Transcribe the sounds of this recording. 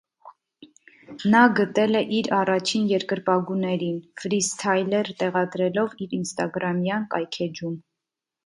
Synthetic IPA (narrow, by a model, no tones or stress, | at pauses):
nɑɡət̪ɛlɛʔiɾɑrɑt͡ʃʰinjɛɾkəɾpɑɡunɛɾinfɾist̪ʰɑjlɛɾt̪ɛʁɑd̪ɾɛlɔviɾinst̪ɑɡɾɑmjɑnkɑjkʰɛd͡ʒum